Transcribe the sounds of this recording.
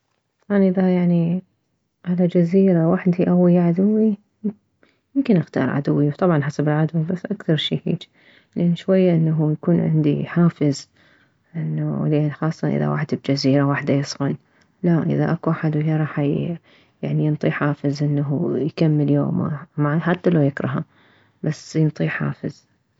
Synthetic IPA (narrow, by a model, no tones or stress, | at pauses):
tt̪ˤɑbʕɑnʔɪðajaʕni | ʕalad͡ʒaziːɾawaħd̪iʔawːiʕad̪ʊwːi | mʊmkɪnʔaxt̪ɑ̰ːɾˤʕa̰d̪ʊwːiwt̪ˤɑbʕɑnħasabɪlʕad̪wbasːʔakθɑɾˤʃiːhḭːd͡ʒ | lʔanːʃwajːaʔɪnːaɦujakuːnʕɪ̰nd̪ḭħaːfɪz | ʔɪnːalʔaxɑːsˤːɑʔɪ̰ða̰wa̰ħd̪b̚d͡ʒaziːɾawaːħd̪ajɨsˤɣan | laʔɪ̰ðaʔakuʔaħad̪wɪaɾˤɑħa | jaʕnijɪnt̪ˤiːħaːfɪzʔɪnːaɦṵjkamːɪljo̰ːm̰maʕħat̪ːalajɪkɾˤɑɦa | basjɪnt̪ˤiːħa̰ːfɪz̥